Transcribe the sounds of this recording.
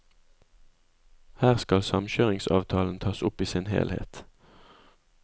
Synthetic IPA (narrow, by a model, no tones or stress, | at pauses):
hæːʁskɑlsɑmçøːʁɪŋsɑ̰ːʋt̪ʰɑːln̩t̪ʰɑːsʊpiːsɪnhḛːlhḛːt̪